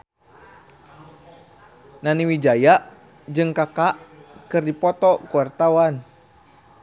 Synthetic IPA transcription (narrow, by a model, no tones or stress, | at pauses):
naniwid͡ʒajaʔ | d͡ʒɨŋkakaʔkɨrdipɔt̪ɔkuwart̪awan